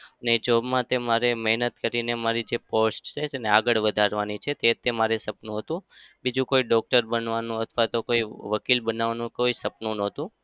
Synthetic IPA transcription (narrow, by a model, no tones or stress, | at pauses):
əned͡ʒobmãt̪emaɾemɛɦnət̪kəɾinemaɾid͡ʒeposʈt͡ʃʰet̪eneaɡəɭʋəd̪ʱaɾʋanit͡ʃʰet̪et̪emaɾesəpnũɦət̪ũbid͡ʒũkoiɖɔk̚ʈəɾbənʋanũət̪ʰʋat̪okoiʋəkilbənaʋnũkoisəpnũnət̪ũ